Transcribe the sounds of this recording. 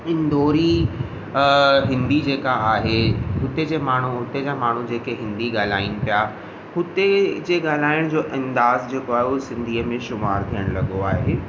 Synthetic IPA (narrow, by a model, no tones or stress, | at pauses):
ɪnd̪oːɾi | ɦɪ̃nd̪id͡ʑeːkaaːɦeɦʊt̪ed͡ʑeːmaːɳ̤uɦʊt̪ed͡ʑamaːɳ̤ud͡ʑeːkeɦɪ̃nd̪iɡaːl̤aːɪn̆pija | hʊt̪ed͡ʑeːɡaːl̤aːɪɽ̃d͡ʑoːʔɐ̃nd̪aːzd͡ʑeːkoaːɦeʊɦesɪ̃nd̪ʱiːəmẽʃʊmaːɾt̪ʰijəɽ̃lɐɠoaːɦeː